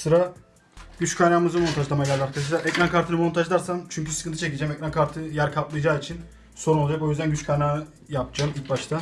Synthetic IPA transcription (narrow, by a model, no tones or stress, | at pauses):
sɯɾa | ɟ̥yt͡ʃkʰajnaːmɯzɯmo̞nt̪ʰaʒd̪amaɟælʲːaɾkʰad̪aʃlˠaʔɛcɾankʰaɾt̪ʰɯnɯmo̞nt̪ʰaʒd̪aɾsant͡ʃʰyɲcysɯ̥kʰɯnt̪ʰɯt͡ʃʰe̞cid͡ʒɛmɛcɾankʰaɾt̪ʰɯjæɾkʰat̪lˠɯjd͡ʒaːit͡ʃʰin | so̞ɾunlˠad͡ʒako̞jyzd̪ænɟyt͡ʃkʰajnaːɯ | japd͡ʒaːmilʲc̚baʃt̪ʰa